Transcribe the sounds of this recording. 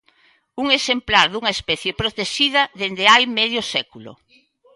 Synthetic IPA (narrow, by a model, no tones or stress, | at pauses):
uŋesemplaɾðuŋɐespɛθjepɾot̪eʃiðɐðend̪eajmɛðjʊsɛkulʊ̰